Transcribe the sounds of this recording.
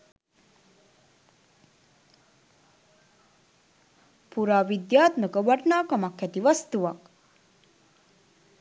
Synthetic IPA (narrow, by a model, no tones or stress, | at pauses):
puɾaːʋid̪jaːt̪məkəʋarnaːkamɐkːɛt̪iʋast̪uʋɐk